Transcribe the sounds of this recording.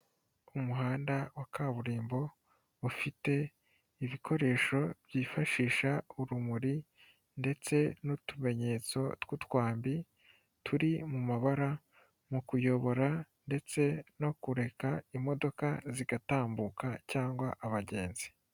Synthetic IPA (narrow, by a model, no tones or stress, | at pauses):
umuɦaːndawakaːβuɾiːmbo̞ | ufite̞ | iβikʰo̞ɾe̞ːʃo̞bjiːfaʃiːʃauɾumuɾi | nde̞t͡se̞nutume̞ɲe̞t͡so̞twutwaːmbi | tʰuɾimumaβaɾa | mukujo̞βo̞ɾande̞t͡se̞no̞kuɾe̞kaimo̞do̞kaziɡataːmbukacaːŋɡwaʔaβaɟe̞ːnzi̥